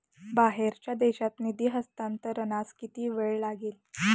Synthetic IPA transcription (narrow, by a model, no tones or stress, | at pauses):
baɦeɾt͡ɕjad̪eɕat̪nid̪iːɦəst̪ant̪əɾənaskit̪iːʋeɭlaɡiːl